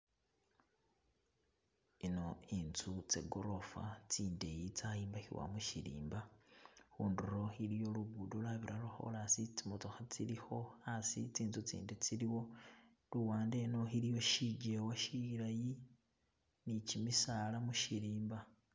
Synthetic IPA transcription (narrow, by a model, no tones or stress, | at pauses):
ino̞int͡sut͡sḛɡoɾo̞fa̰t͡siːnde̞jit͡sajiːmbaxiwa̰muʃḭɾḭːmbaxuːnduɾo̞xilijo̞luβudolaβiɾaloxo̰lasit͡simotoxat͡silixo̞asit͡siːnt͡sut͡sḭːndet͡siliwo̞ | luwaːnde̞no̞xilijo̞ʃiɟewaʃiiɾaji | nicimisalamuʃiɾiːmba